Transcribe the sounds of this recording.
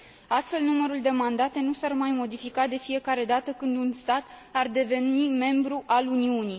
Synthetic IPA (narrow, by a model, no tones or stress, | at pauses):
ast̪fe̞lnuməɾuld̪e̞mand̪at̪e̞nusarmajmo̞d̪ifikad̪e̞fije̞kaɾe̞d̪at̪əkɨnd̪unst̪at̪ | ard̪e̞ve̞nime̞mbɾuʔaluniuni